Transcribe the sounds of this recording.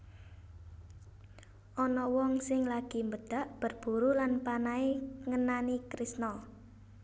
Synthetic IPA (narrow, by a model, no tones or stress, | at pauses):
ʔɔnɔwɔŋsɪŋlaɡ̥i̤mbəd̪̥a̤ʔb̥ərb̥ṳɾulanpanaeŋənanikɾisnɔ